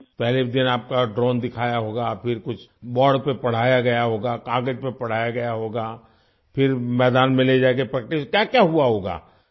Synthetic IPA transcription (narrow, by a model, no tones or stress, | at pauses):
pɛɦled̪ɪnaːp̚kaɖɾoːnd̪ɪkʰaːjaɦoːɡapʰɪɾkʊt͡ʃʰbɔːɽpepɐɽ̤aːjaɡɐjaɦoːɡaːkaːɡəd͡ʒpepɐɽ̤aːjaɡɐjaɦoːɡaː | pʰɪɾmɛːd̪aːnmɪ̃led͡ʒaːeɡepɾɛːk̚ʈɪʃkjaːkjaɦuaɦoːɡa̰ː